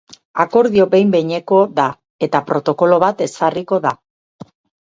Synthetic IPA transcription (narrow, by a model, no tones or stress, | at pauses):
ako̞ɾðio̞be̞jmbe̞ɲe̞ko̞ða | e̞t̪apɾo̞t̪o̞ko̞lo̞βat̪e̞sariko̞ða